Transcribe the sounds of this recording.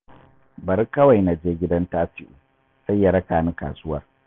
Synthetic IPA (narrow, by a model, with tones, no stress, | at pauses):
bɐ˨ɾkɐ˦wa˨jna˨d͡ʒeː˦ɡʲɪ˦dɐ˦ntaː˦ɸɪ˦ʔuː˨ | sa˦jːa˨ɽɐ˦kaː˨ni˦ka̰ː˨sʊ˦wɐ̰˦˨r